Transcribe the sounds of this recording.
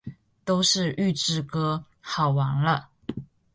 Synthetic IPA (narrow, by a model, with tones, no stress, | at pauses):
t̪o˥ʊʂɻ̩˥˧˨ʔy˥˧ʈ͡ʂɻ̩˥˩kɤ˥ | xɑ˨˩ʊwa˧˥ŋlə˦˧